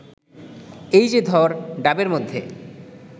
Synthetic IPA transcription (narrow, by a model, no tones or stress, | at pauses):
ejd͡ʑed̪ʱɔɾɖabeɾmod̪ʱːe